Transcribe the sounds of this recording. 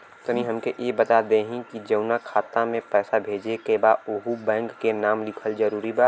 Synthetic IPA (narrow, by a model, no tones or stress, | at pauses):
t̪ənĩɦɐmkeʔjebɐt̪ad̪eɦĩkid͡ʒɐʊnakʰaːt̪ãmẽpɛːsabʱeːd͡ʒekebaːʊɦubɛ̃ːŋkːenaːmlɪkʰəlzɐɾuːɾibaːt̪